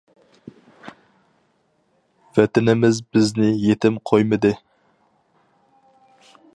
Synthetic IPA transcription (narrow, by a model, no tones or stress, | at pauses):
vɛt̪ɪnɪmɪzbɪznɪjet̪ʰɪmqʰojmɨd̪ɨ